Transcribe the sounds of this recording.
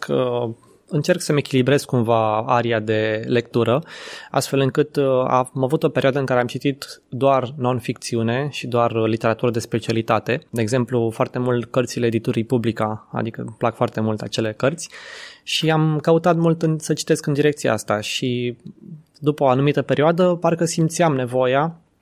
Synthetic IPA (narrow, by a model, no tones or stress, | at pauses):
kʰə | ɨnt͡ʃe̞rksəme̞kʲilibɾe̞z̥kumvaaɾiad̪e̞le̞k̚t̪uɾəa̰st̪fe̞lɨŋkɨt̪a̰mavut̪o̞peɾioad̪əɨŋkaɾe̞amt͡ʃit̪it̪d̪oarno̞nfik̚t̪siune̞ʃid̪oarlit̪e̞ɾat̪uɾəd̪e̞spe̞t͡ʃialit̪at̪e̞d̪e̞eːɡze̞mplufoart̪e̞mult̪kərt̪sileːd̪it̪uɾijpublikaa̰d̪ikə̰plakfoart̪e̞mult̪at͡ʃe̞le̞kərt̪sʲʃiamkəut̪at̪mult̪ɨnsət͡ʃi̥t̪e̞skɨnd̪iɾe̞kt̪sia̰ast̪aʃi | d̪upəoanumit̪əpe̞ɾioad̪əparkəsimt̪siamne̞vo̞ja